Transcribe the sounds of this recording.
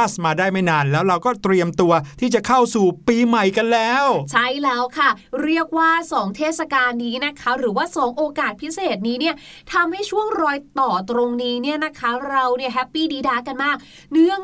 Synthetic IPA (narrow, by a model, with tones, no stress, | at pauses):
smaː˧daː˥˩jma˥˩jnaː˧nlɛː˦˥wɾa˧wkɔː˥˩t̪ɾi˧əmt̪u˧ɐt̪ʰiː˥˩t͡ɕa˨˩kʰa˥˩wsuː˨˩piː˧ma˨˩jka˧nlɛː˦˥wt͡ɕʰa˥˩jlɛː˦˥wkʰa˥˩ɾi˥˩ək̚waː˥˩sɔː˩˦ŋt̪ʰeː˥˩t̪̚sa˧kaː˧nːiː˦˥na˦˥kʰa˦˥ɾɯː˩˦waː˥˩sɔː˩˦ŋʔoː˧kaː˨˩t̪̚pʰi˦˥seː˨˩t̪̚niː˦˥ni˥˩ɐ | t̪ʰa˧mha˥˩jt͡ɕʰu˥˩əŋɾɔː˧jt̪ɔː˨˩t̪ɾo˧ŋniː˦˥ni˥˩ɐna˦˥kʰa˦˥ɾa˧wni˥˩ɦɛ˦˥pːiː˥˩diː˧daː˧ka˧nmaː˥˩k̚ | nɯ˥˩əŋ